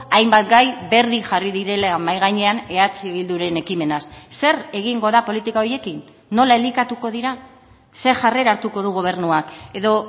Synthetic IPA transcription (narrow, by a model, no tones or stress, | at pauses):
ajmbat̪ɡajbe̞ɾðiʝariðiɾe̞lamajɣajɲe̞ane̞at͡siβild̪uɾe̞ne̞kime̞nasse̞ɾe̞ɣ̞iŋɡo̞ðapo̞lit̪ikao̞ɾje̞kinː | o̞lae̞likat̪uko̞ðiɾa | se̞ɾʝare̞ɾaɾt̪uko̞ð̞uɣ̞o̞β̞e̞ɾnuake̞ðo̞